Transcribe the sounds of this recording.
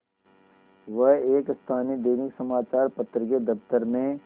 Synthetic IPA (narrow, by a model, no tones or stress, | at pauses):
ʋəɦeːkst̪ʰaːnid̪eːnɪksɐmaːt͡ʃaːɾpɐt̪ɾked̪ɐft̪əɾmẽ